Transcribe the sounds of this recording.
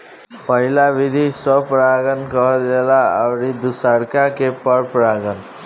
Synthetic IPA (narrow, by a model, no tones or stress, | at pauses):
pʌɦilabid̪ʱisʌpɾaɡʌnkʌɦd͡ʒelaawɾid̪usaɽkakepʌɾpɾaɡʌn